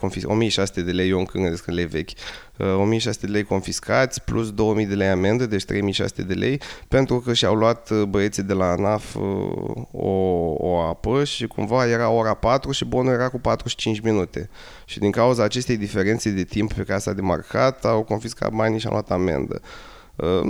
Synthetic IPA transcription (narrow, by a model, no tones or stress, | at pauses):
konfio̰mijeʃast̪e̞d̪e̞le̞joŋkɨŋɡənd̪eskɨnle̞jve̞kʲ | o̞mijeʃ̬ast̪ed̪ele̞jko̞nfiskʰat̪sʲplus̬d̪o̞wəmijd̪e̞le̞jame̞nd̪əd̪e̞t͡ʃt̪ɾe̞jmijʃa̰st̪e̞d̪e̞lʔe̞̰jpe̞nt̪ɾukəʃiawluat̪bəe̞t̪sid̪e̞lanaf | o̰o̰apəʃikumvaje̞ɾaoɾapat̪ɾuʃibo̞nuje̞ɾakupat̪ɾuʃi̥t͡ʃint͡ʃminut̪e̞̰ | ʃid̪iŋkauzaːt͡ʃe̞st̪e̞jd̪ife̞ɾent̪se̞d̪e̞t̪imppe̞kasa̰d̪e̞ma̰rkʰat̪awko̞nfiska̰t̪̚baniʃia̰wlwat̪ame̞̰nd̪ə̰ | ə̰